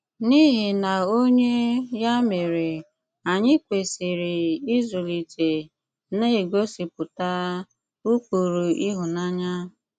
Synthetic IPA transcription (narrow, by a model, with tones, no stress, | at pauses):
ni˦ɦi˨na˨o˦ɲe˦ja˦me˨ɾe˨ | a˨ɲɪ˦kʷe˨si˨ɾɪ˨i˦zʊ˨li˨te˨ | ne˦e˨ɡo˦si˨pʊ˨ta˦ | u˦kʷu˨ɾu˨i˦ɦʊ˨na˦ɲa˦